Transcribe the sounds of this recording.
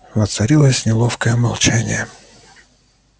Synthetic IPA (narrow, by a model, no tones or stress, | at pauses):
vɐt̪sɐɾʲilˠəsʲnʲɪlˠofkəjəmɐlˠt͡ɕanʲɪ̰jə